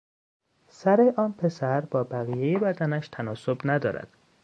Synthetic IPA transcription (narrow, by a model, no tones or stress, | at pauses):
sæɾe̞ʔɒːnpʰe̞sæɾbɒːbæɣijejebæd̪ænæʃt̪ʰænɒːsobnæd̪ɒ̰ːɾæ̰d̪̥